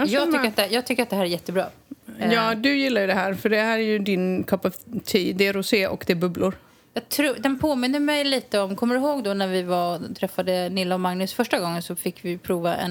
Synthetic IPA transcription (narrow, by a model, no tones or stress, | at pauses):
jɑːɡt̪ʏːəɾat̪̚d̪ɛjɑːɡt̪ʰʏkːəɾat̪̚d̪ɛɦæːɾæɾjɛt̪ʰːəbɾɑ̰ːjɑːd̪ɵjɪlːaɾjɵd̪ɛɦæːɾfœɖɛhæːɾæjɵd̪ɪnkʰœpːɔvt̪ʰiːd̪ɛɾʊseːʔɔ̰kd̪ɛbɵblʊɾ | jɑːɡt̪ʰɾuːd̪ɛnpʰoːmɪnd̪əmɛjliːt̪əɔmkʰɔmːəd̪ɪɦoːɡd̪ɔnæɾvɪvat̪ʰɾɛfːad̪ənɪlːaɔmaŋnɵsfœʂʈaɡɔŋːənsɔfɪkːvɪpʰɾuːvaʔɛ̰n